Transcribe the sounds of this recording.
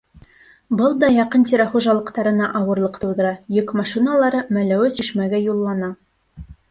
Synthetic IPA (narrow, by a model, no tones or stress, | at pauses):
bɤlˠd̪ɑjɑqɤnt̪ʲiɾæχuʒɑlˠɤ̆qt̪ɑɾɤ̆nɑʔɑwɤ̆ɾlˠɤqt̪uwd̪ɤ̆ɾɑjɵkmɑʃinalˠɑɾɤmælæwɘsiʃmæɡæjulˠːɑnɑ